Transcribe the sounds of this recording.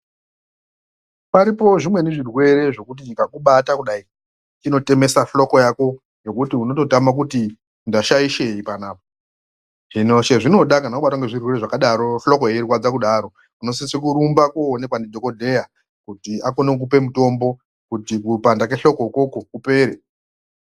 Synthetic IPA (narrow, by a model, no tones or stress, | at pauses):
paɾipo̞ʐimwe̞neʐirwe̞ɾe̞ʐo̞kut̬iɲikakuɓatakuɗai | t͡ʃino̞te̞me̞saflo̞ko̞jako̞ | jo̞kutiuno̞to̞tamak̬uti | ndaʃaiʃe̞ipanaːpo̥ | ʐinoʃeʐino̞ɗakanakuɓataŋɡeʐirwe̞reʐakaɗaɾo̞flo̞ko̞eɾikwad͡zakuɗaːɾo̞ | uno̞sisik̬uɾumbakuːne̞kwandidʱo̞ko̞dʱe̞ja | kutiako̞nek̬upe̞muto̞mbo̞ | kutikupandake̞ɬo̞ko̞iko̞ko̞kupe̞ːɾe